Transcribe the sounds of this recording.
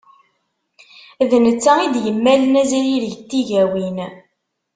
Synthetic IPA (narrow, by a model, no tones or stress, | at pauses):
ðnət͡sːæid̪jəmːælənæziɾiɾʝt̪ːiʝæwin